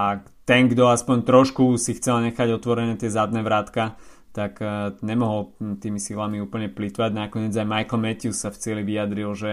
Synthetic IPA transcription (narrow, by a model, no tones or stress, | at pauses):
a | t̪ɛŋɡd̪ɔaspɔɲt̪ɾɔʃkusixt͡sɛlɲɛxaɟɔt̪ʋɔɾɛnɛːt̪ɪɛzad̪̚nɛːʋɾat̪ka | t̪akɲɛmɔɦɔlt̪iːmisilamiuːpl̩ɲɛplit̪ʋaɟnakɔɲɪɛːd͡zajmajkl̩mɛc̪iussaft͡sɪɛliʋijad̪ɾilʒɛ